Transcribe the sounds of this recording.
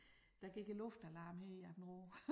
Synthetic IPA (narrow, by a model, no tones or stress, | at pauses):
d̥æ̈ɡ̥eɡ̥əlɔfd̥ælɑ̈ːmheiæb̥n̩ʁoː